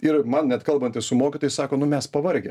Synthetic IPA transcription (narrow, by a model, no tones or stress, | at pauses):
ɪɾmɐnnʲɛt̪kɐlˠbɐnt̪ʲɪssʊmoːkʲɪt̪oːjɪsɑːkoːnʊmʲɛspɐʋɐɾʲɡʲɛm